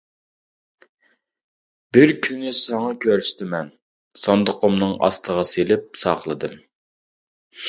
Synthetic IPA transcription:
b̥ɪɾkʲʰynːɪsɑŋɑkʲʰøɾst̪ɪmɛn | sɑnd̪əqomnɨŋɑ̰st̪ʰəʁɑselɪp̚sɑχlˠɨd̪ɨm

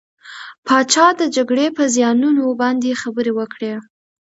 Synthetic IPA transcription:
pʰɑt͡ʃɑd̪əd͡ʒaɡɽepəzjɑnunobɑnd̪exabəɾewəkɽe

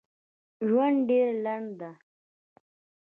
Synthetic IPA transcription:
ʒwand̪ɖeɾlaɳɖd̪a

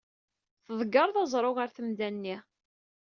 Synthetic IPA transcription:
θəðˤəɡɑɾˤðˤɑzˤɾˤoʁəɾθəmd̪ænːi

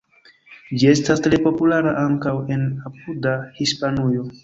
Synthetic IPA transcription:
d͡ʒie̞stastɾe̞po̞pulaɾaʔaŋkawe̞napudahispanujo̞

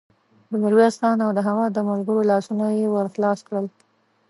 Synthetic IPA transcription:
bənaɾwiɑst̪ɑnawd̪əɦaɣad̪əmalɡəɾolɑsunojewəɾxlɑskɽəl

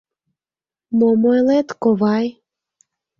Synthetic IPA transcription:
momojlet̪koβɑj

